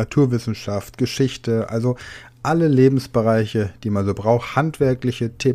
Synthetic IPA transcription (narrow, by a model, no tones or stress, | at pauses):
atʰuːɐvɪsn̩ʃaftɡ̥əʃɪçtəʔa̰lzo | ʔaləleːbm̩sb̥əʁaɪçəd̥iːmanzoːbʁaʊxhantv̥ɛɐklɪçətʰeː